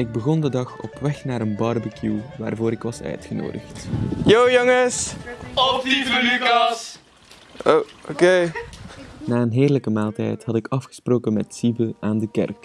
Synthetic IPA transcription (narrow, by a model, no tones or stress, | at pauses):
ɪɡ̚bəɣɔndədɑxɔ̰pʋɛxnaːɾənbɑrbəkjuʋa̰ːrvoːɾɪkʋɑsœ̰ɥtxəno̰ːdəxtjowjoŋəs | ookeː | naːənɦeːrləkəmaːlˠtɛ̰jthɑtɪkɑfxə̥sproːkənmɛtsibəaːndəkɛ̰rk